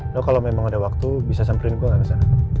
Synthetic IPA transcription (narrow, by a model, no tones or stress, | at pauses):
dohkalamemaŋadawak̚t̪ubisasəmpɾɪnɡuaŋaɾasana